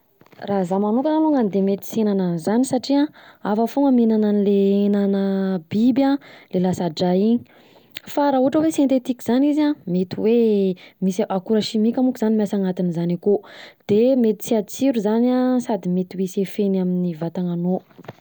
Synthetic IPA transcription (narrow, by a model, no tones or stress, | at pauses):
razamanukaaloŋanid̪emet̪i̥senanəzanisaʈ͡ʂiaafəfoŋamenananileenanəbibjãlelasaɖ͡ʐaini̥ | faɾaɦuɦaʈ͡ʂəwesent̪et̪ikiz̥anizamet̪iwemisʔakuɾəʃimikʲamukizanimasaŋat̪inizanikod̪̥emet̪i̥t͡siat͡siɾuzanasad̪imet̪iwisefenaminivat̪aŋano